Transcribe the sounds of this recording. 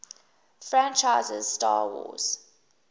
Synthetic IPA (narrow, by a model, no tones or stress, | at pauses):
fɹãnt͡ʃaɪzɪ̰zstɑ̰ːwɔ̰z̥